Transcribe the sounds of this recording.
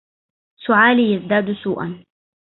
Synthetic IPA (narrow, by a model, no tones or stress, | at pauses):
sʊʕaːliːjazd̪aːd̪suːʔa̰n